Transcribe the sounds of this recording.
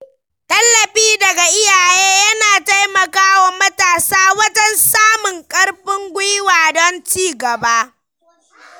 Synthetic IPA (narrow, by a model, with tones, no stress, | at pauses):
tɐ˦lːɐ˨ɸiː˦dɐ˨ɡa˨ʔɪ˦jaː˨jeː˦jɐ˦naː˨ta˦jmɐ˨kaː˦wɐ˨mɐ˦taː˨saː˦wɐ˦d͡ʒɐ˦nsaː˦mʊ˨ŋkʼɐ˦ɽɸɪ˦ŋɡʷʊ˦jwaː˨dɔ˦nt͡ʃiː˦ɡɐ˨ba˦ʔ